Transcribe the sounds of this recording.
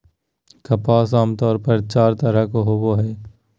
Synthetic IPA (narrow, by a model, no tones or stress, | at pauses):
kɐpaːsaːmt̪ɔːɾpɐɾt͡ʃaːɾt̪ɐɾəkoɦoːboɦɛː